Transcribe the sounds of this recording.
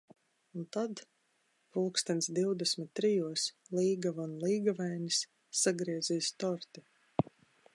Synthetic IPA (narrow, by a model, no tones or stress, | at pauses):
unt̪ad̪ | pulˠkst̪ɛnt̪sd̪iwd̪ɛsʲmʲit̪̚ʲːɾijuɔslˠiːɡavanlˠiːɡavajnʲisː | aɡɾiɛziːst̪ɔɾt̪i